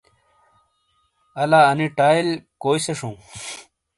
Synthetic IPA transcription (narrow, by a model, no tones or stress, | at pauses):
ɐlaːɐniʈaːilkoːjseʂõː